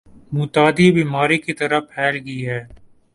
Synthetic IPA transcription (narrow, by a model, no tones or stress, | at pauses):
mʊt̪aːd̪ibiːmaːɾikit̪əɾəpʰɛːlɡiːɦɛː